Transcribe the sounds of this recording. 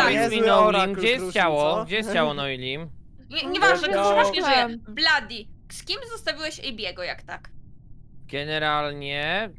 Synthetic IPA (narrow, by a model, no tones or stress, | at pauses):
mʲinɔlʲimɡd͡ʑɛjɛst̪t͡ɕawɔɡd͡ʑɛjst̪t͡ɕawɔnɔlʲim | ɛɲɛvaʒnɛɔvaʂɲɛɛjɛblad̪ʲiskʲimzɔst̪avʲiwɛɕɛjbʲjɛɡɔja̰kt̪ak | ɡ̥ɛnɛɾalɲɛ